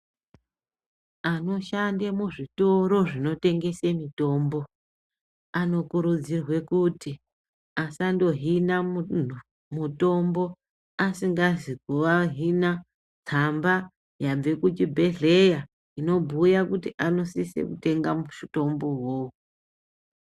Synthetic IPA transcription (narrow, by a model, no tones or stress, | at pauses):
ano̞ʃandemuʐito̞ɾo̞ʐino̞te̞ŋɡe̞se̞mito̞ːmbo̞ | ano̞kuɾud͡zirwe̞kuti | asando̞ɦina | muto̞mbo̞ | asiŋɡazikuʋaɦina | d͡zamba | jab͡ve̞kutibʱe̞ɮe̞ja | ino̞bʱujakutiʔano̞sisḛkute̞ŋɡamuʃito̞mbo̞ɦou